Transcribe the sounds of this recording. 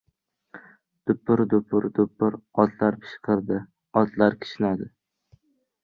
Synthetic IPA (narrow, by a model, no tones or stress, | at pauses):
d̪̥ʊpːʊɾd̪ʊpʰʊɾd̪ʊpːʊɾɒd̪laɾpʰɪ̥ʃqʰɨɾd̪ɪ | ɒt̪laɾkʲʰɪ̥ʃɪnad̪ɪ